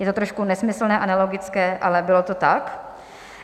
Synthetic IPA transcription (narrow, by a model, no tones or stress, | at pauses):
jɛt̪ot̪ɾoʃkunɛsmɪsl̩nɛːʔanalo̞ɡɪt͡skɛːʔa̰lɛbɪlot̪ot̪ak